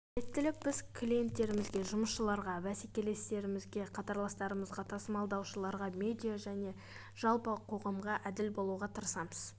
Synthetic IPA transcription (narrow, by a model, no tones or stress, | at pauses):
et̪ːɪlɪk̚b̥ɪz̥kʰlʲije̞nt̪ːe̞ɾɪmɪzɡʲe̞ʒʊməsʃəlˠɑɾʁɑvæsekʲe̞le̞st̪e̞ɾɪmɪzɡʲe̞qʰɑt̪ɑɾlˠɑst̪ɑɾəməzʁɑt̪ʰɑsəmɑlˠd̪ɑwʃəlˠɑɾʁɑmʲe̞d̪ʲijaʒæne̞ | ʒ̥ɑlˠpəqʰo̞ʁɑmʁɑʔæd̪ɪlbo̞lˠuʁɑt̪ʰəɾsɑməz̥